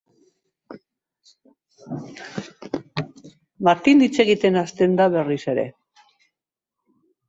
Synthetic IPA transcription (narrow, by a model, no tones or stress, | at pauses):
mat̪ind̪it͡se̞ɣit̪e̞nast̪e̞nd̪aβe̞rise̞ɾe̞̰